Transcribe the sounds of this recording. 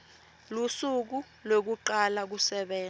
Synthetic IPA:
lusuk̬u | lok̬uǃalak̬usɛɓɛː

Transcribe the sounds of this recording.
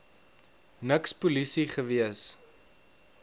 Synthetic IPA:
nəkspulisiχəviəs

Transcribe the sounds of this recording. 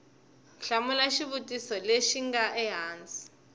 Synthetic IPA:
ɬamulaʃiβutʼisɔleʃiŋɡaʔɛɦaːnt͡sʼi̥

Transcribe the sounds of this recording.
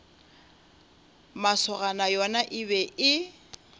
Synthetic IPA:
masɔɣanajɔnaʔɪβɛʔɪ

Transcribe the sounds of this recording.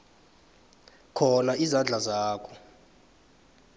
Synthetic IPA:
kʰɔnaizand͡ɮʱazaːkʰɔ̥

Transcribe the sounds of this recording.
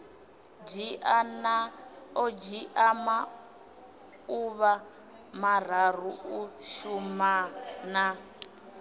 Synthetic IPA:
d͡ʒianaɔd͡ʒiʔama | uβa | mar̤ar̤uuʃumana

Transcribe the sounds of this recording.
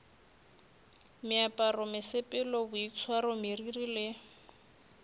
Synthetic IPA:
mɪapʼarʊmɪsɪpʼɪlɔbʊit͡sʰwarʊmiririlɪ

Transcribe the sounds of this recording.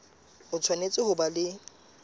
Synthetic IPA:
hʊt͡sʰwanet͡sʼɪhʊbalɪ

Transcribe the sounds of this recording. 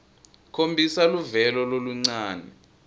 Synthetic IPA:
kʰombʱisaluvɛlɔloluŋ͡ǀaːnɛ

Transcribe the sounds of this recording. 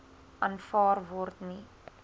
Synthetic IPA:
ʔɐnfɑːrvɔrt̪ni

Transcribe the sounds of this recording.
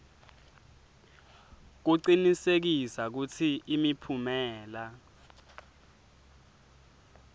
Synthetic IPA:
k̬uǀinisek̬isak̬utʰiːmipʰumɛːla

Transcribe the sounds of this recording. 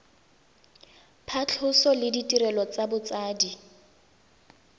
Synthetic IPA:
pʰat͡ɬʰʊsɔlɪditʼiɾɛlɔt͡sabʊt͡saːdi

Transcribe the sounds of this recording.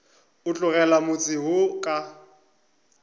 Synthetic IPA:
ʊt͡ɬʼʊɣɛlamʊt͡sʼɪɦʊkʼa

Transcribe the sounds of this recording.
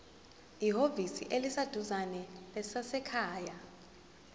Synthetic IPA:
iɦovisḭʔelisad̥ʱuzanɛlɛsasɛkʰaːja

